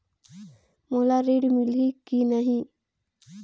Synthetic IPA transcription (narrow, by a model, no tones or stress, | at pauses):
molaɾeːɖmɪlikinəɦĩ